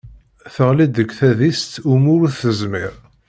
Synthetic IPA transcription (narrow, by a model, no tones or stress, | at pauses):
θəʁlid̪əkːθæðist̪umʊɾuθəzmɪɾ